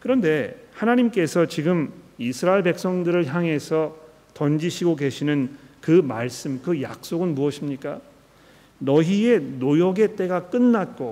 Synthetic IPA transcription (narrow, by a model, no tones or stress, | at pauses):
kɯɾʌnde̞hanaɲimk͈e̞sʰʌt͡ɕiɡɯmisʰɯɾaiɭbe̞k̚s͈ʌŋdɯɾɯɭçjaŋɦe̞sʰʌ | tʌnd͡ʑiɕʰiɡoke̞ɕʰinɯnkɯmaɭs͈ɯmkɯja̰k̚s͈oɡɯnmuʌɕʰimɲik͈a | nʌɦie̞nojoɡe̞t͈e̞ɡak͈ɯnːat̚k͈o